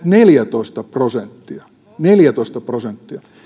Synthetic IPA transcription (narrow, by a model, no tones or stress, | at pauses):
t̪neljæt̪oist̪ɑprosent̪ːiɑ | neljæt̪oist̪ɑprosent̪ːiɑ